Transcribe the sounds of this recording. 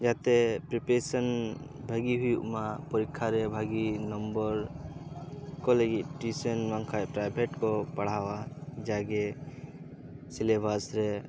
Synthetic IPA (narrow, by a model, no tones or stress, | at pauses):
d͡ʒat̪ɛpɾipesən | bʱəɡiɦujuʔmapɔɾikʰːaɾɛbʱaɡinɔmbɔɾ | kɔləɡit̪̚ʈisənmaŋkʰajpɾajbʱeʈkɔpaɽ̤awad͡ʒaɡɛ | silebʱasɾɛ